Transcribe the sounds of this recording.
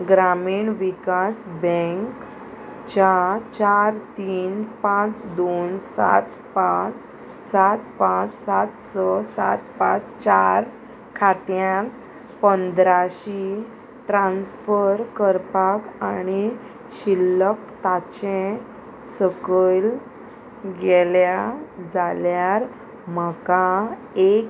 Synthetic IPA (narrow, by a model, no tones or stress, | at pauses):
ɡɾamiːɳʋikasbɛ̃ŋkk | t͡ɕat͡ɕaɾt̪iːnpãt͡sd̪onsa̰t̪ | pãt͡s | sat̪pãt͡ssat̪səsat̪pãt͡st͡ɕaɾ | kʰaʈjã | pənd̪ɾaɕi | ʈɾãnsfəɾkəɾpakani | ɕilːəkt̪at͡ɕẽ | səkəl | ɡeɛljad͡zaljaɾ | m̤əka | ek